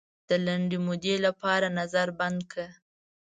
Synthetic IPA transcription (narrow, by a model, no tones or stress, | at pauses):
d̪̥əlaɳɖimod̪elapɑɾanazaɾband̪̚kʰa